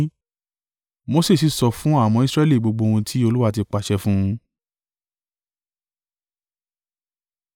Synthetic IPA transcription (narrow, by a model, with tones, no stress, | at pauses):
mo˦se˦˨s̬i˨˧sɔ˧fũ˦a˦˨mɔ̃˧˦i˧sɾɛ˦li˦˨ɡ͡bo˧ɡ͡bo˧wũ˧tʰi˦o˧lu˦wa˦˧t̬i˧k͡pa˨ʃɛ˧fũ˦ũ˧